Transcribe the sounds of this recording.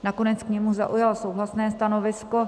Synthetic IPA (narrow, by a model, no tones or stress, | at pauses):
nako̞nɛt͡skɲɛmuza̰ʔujalsowɦlasnɛːst̪ano̞vɪsko̞